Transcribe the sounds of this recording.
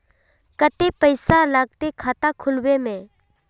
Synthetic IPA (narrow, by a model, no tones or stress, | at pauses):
kət̪epəɪsalaːɡ̚t̪ekʰaːt̪akʰʊlwemẽ